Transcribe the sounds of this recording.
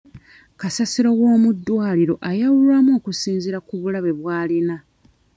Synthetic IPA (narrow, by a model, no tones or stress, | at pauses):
kasasiɾo̞wo̞ːmudːwaːliɾo̞ʔajawulwamo̞ːkusiːnziɾakuβulaβe̞βwaːlina